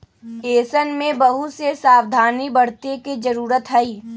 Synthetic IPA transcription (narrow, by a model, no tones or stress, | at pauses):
eːsənmẽbɐɦusesaːwd̪ʱaːnibɐɽ̤t̪ekid͡ʒɐɾuːɾət̪ɦɐiː